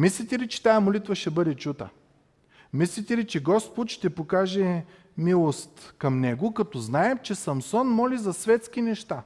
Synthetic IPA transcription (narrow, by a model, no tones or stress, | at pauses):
mislit̪ɛlit͡ʃɛ̥t̪ajɐmolit̪vɐʃt̪ɛbɤd̪ɛt͡ʃut̪ə̰ | mislit̪ɛlit͡ʃɛɡɔspot̪ʃt̪ɛpokaʒɛ | milˠost̪kɐmnɛɡʊkɐt̪ɔznaɛmt͡ʃɛsɐmsɔnmɔlizɐsvɛt̪sk̟inɛʃt̪a